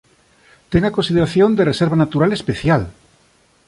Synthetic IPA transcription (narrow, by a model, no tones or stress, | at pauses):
t̪eŋakonsið̞eɾaθjõnd̪ereseɾβ̞anat̪uɾalespeθjal